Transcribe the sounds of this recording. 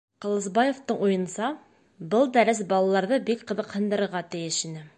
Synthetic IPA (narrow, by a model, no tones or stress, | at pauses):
qɤ̆lˠɤ̆sbɑjoft̪ɤɴujɤ̆nsɑ | bɤlˠd̪æɾɘsbɑlˠɑlˠɑɾðɤbikqɤ̆ðɤ̆qhɤ̆nd̪ɤ̆ɾɤ̆ɾʁɑt̪ɘ̆jɘʃinɘ